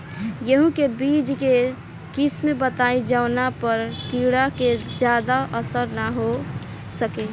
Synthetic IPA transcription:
jəɦũkebiːd͡ʒke | kɪsmẽbət̪aːid͡ʒaʊnapəɾkiːɽaked͡ʒjaːd̪aʔəsəɾnaɦo | səkeː

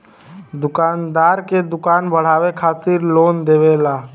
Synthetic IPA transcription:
d̪ʊkaːnd̪aːɾked̪ʊkaːnbəɽ̤aːʋekʰaːt̪ɪɾloːnd̪eːʋelaː

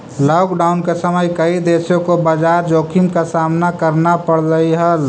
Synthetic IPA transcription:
lɔːkɖaːʊnkesəməjkəid̪eːsjõkobad͡ʒaːɾd͡ʒoːkʰimkasaːmnakəɾnapəɽləiɦəl

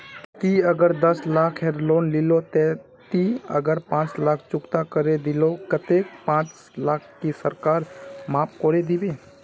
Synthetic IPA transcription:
t̪iəɡəɾd̪əslaːkʰɦɛːɾloːnlɪlot̪e | t̪iə̰ɡəɾpãːt͡ʃlaːk̚ʰt͡ʃʊkt̪akəɾed̪ɪlokət̪eːk̚pãːt͡ʃ | laːkʰːisəɾkaːɾmaːp̚koːɾed̪ibeː

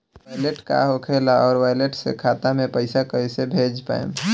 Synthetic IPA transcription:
aɪleʈka̰ɦokʰeːlaɔːɾʋaːjleʈsḛkʰaːt̪amẽpəɪsakəisebʱeːd͡ʒpa̰ːḛ̃

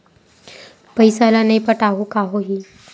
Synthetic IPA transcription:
pəjsalanajpəʈaɦukaɦoɦiː

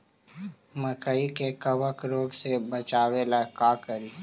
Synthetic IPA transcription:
məkəikekəbəkɾoːɡsebɐt͡ʃaːwelakaːkəɾiː

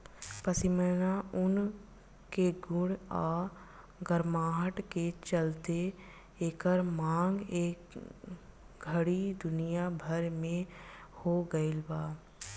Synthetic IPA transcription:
pəsɪmənaʊn | keɡʊɽaː | ɡəɾmaːɦəʈket͡ʃəlt̪e | eːkəɾmãːŋɡeːk | ɡʱəɽid̪ʊnijabʱəɾmẽhoɡəelbaː

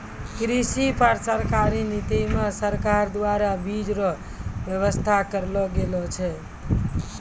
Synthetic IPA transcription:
kɾisipəɾsəɾkaɾinit̪imesəɾkaɾd̪waɾabid͡ʒɾɔ | bjəβəst̪ʰakəɾlɔɡelɔt͡ʃʰɛ

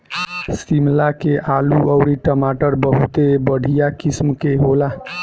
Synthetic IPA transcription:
simlakeʔaluəʊɾiʈəmaʈəɾbəɦut̪ebəɽʱijakismkeɦola

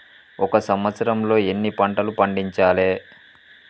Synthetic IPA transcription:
ɔkɐsɐmʋɐt̪sɐɾɐmlo̞ːenːipɐɳʈɐlupɐɳɖiɲt͡ʃaːleː

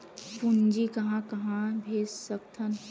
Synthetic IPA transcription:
pund͡ʒikɐɦãkɐɦãbʱeːd͡ʒsəkt̪ʰən

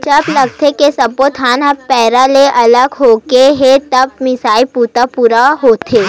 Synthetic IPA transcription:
d͡ʒɐblɐɡ̚t̪ʰekesɐbot̪ʰaːnɐbpɛːɾaleʔɐləɡɦoːkeɦet̪ɐb̚mɪsaːipuːt̪apuːɾaɦoːt̪ʰeː

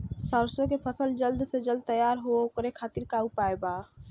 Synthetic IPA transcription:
səɾswəkepʰəsəld͡ʒəld̪sed͡ʒəld̪̚t̪əjaɾɦookɾekʰat̪iɾkaupaeba

